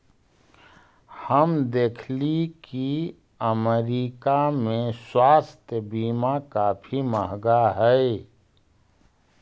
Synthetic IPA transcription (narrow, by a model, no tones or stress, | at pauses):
həmd̪eːkʰliki | əmeɾiːkamẽswaːst̪jəbiːmakaːpʰiməɦɡaɦɛe